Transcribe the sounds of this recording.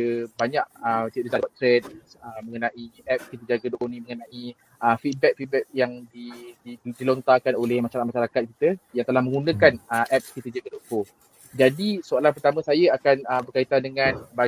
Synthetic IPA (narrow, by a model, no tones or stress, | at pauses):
əbaɲaʔət̪iɾisadwat̚t̪ɾɛd̚ | əmə̃ŋənãʔiɛp̚kit̪əd͡ʒaɡədoʔonĩməŋənãʔi | ʔəfit̪̚bɛk̚fit̪̚bɛk̚jaŋdididilont̪akanolɛhmaʃaɾamaʃaɾakat̪̚ki̥t̪əjaŋt̪əlahmə̃ŋunə̃kanəʔɛp̚skit̪əd͡ʒaɡədɔʔfo | d͡ʒadisoalap̬ərt̪amə̃sajaakanəbərkait̪andəŋãnba